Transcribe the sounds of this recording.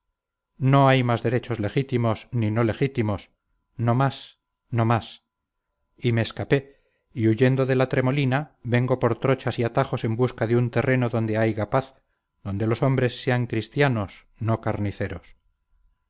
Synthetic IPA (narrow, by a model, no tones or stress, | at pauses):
no̞ajmazðe̞ɾe̞t͡ʃo̞zle̞xit̪imo̞snino̞le̞xit̪imo̞s | no̞mas | no̞mas | ime̞ːskape̞ | iuʝe̞nd̪o̞ðe̞lat̪ɾe̞mo̞linaβe̞ŋɡo̞po̞ɾt̪ɾo̞t͡ʃasiat̪aχo̞se̞mbuskaðeunt̪e̞re̞no̞ðo̞nd̪e̞ajɣapaθ | ðo̞nd̪e̞lo̞so̞mbɾe̞sːe̞aŋkɾist̪jano̞s | nokaɾniθe̞ɾos